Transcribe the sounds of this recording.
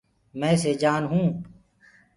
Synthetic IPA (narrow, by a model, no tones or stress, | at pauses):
mɛ̃ːseːd͡ʒaːnɦũː